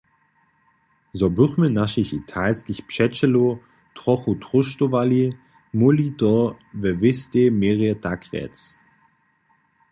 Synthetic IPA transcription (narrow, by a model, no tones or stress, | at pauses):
zɔbʏχmənaʃiçitʰaɪskɪçpʃɛt͡ʃəlo | tʁɔχutʁ̥ʊʃtovali | mulitɔ | vɛvɪstemeːʁetakʁɛ̰tt͡s